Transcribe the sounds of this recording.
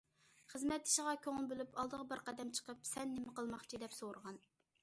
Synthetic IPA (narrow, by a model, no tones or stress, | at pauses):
χəzmɛt̪ːi̥ʃɪʁɑkʲʰøŋɨlˠbølypʰɑlˠd̪əʁəbəɾqɑd̪ɛmt͡ʃʰə̥qəpsɛnːɪmɪqəlˠmɑχt͡ʃʰid̪ɛpsoɾəʁɑn